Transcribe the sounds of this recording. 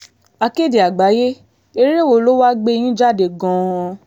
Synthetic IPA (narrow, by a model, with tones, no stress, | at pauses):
a˧ke˦˨de˨a˨ɡ͡ba˨˦je˦ | e˧˦ɾe˦˨wo˨lo˦wa˦ɡ͡be˧j̃ĩ˦d͡ʒa˦˨de˨ɡɔ̃˨˧˦